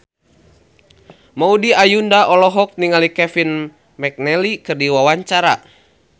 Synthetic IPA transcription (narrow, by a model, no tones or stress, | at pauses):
maudiajundaʔɔlɔɦɔk̚niŋalikɛfin | mɛk̚nɛlikɨrdiwawaɲt͡ʃaɾa